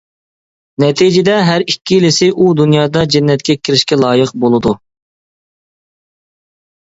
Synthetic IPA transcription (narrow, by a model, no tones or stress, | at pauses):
nɛt̪ʰid͡ʒɪd̪ɛɦæɾikʲːilɪsɪʔud̪unjɑːd̪ɑd͡ʒɪnːɛt̪̚kʲɛkʲʰiɾɪʃkʲɛlˠɑːjəqbolˠɨd̪u